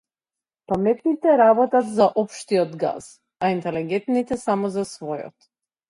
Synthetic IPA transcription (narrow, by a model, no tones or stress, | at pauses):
pamɛt̪nit̪ɛɾabɔt̪at̪zaʔɔpʃt̪iɔd̪ɡa̰s | aint̪ɛlɛɡɛnt̪nit̪ɛsamɔzasvɔjɔ̰t̪